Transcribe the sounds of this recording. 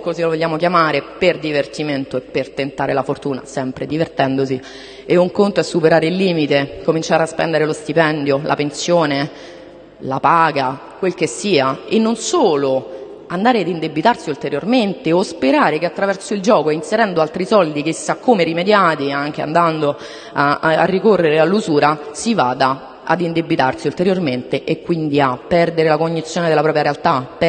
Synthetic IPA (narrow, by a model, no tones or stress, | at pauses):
kozilovolʎːaːmokjamaːɾeperd̪ivert̪iment̪oepːert̪ent̪aːɾelafort̪uːna̰sɛmpɾed̪ivert̪ɛnd̪osi | euŋkont̪oɛsːupeɾaːɾeilːiːmit̪ekomint͡ʃaːɾeaspɛ̰nd̪eɾelost̪ipɛnd̪jolʔa̰pensjoːne | lapaːɡa | kwelkesːiːaenːonsoːlo | and̪aːɾead̪ind̪ebit̪arsiult̪eɾjorment̪eospeɾaːɾekeat̪ːɾavɛrsoild͡ʒɔːkoinseɾɛnd̪oalt̪ɾisɔld̪ik̟isːakːomeɾimed̪jaːt̪iaŋk̟ea̰nd̪and̪o | aa̰rːikorːeɾealːuzuːɾasiva̰ːd̪a | a̰d̪ind̪ebit̪arsiult̪eɾjorment̪eʔekːwind̪iapːɛrd̪eɾelakoɲːit̪sjoːned̪elːapɾɔːpɾjaɾealt̪ap